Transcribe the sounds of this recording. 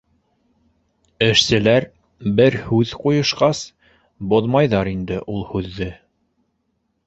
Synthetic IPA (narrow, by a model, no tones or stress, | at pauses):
ɘ̆ʃsɘ̆læɾ | bɘɾhʉðqujŏʃqɑs | boðmɑjðɑɾind̪ɘʔulˠhʉðːɘ